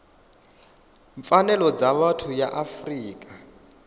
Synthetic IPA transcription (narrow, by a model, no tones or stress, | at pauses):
ɱfanɛlɔd͡zaβatʰujaʔafriːkʼa